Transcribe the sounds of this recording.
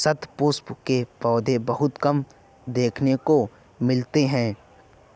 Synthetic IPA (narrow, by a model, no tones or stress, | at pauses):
sɐt̪ʰpoːspkepɔːd̪ʱebɐɦʊt̪kɐm | d̪eːkʰneko | mɪlt̪eɦɛ̃ː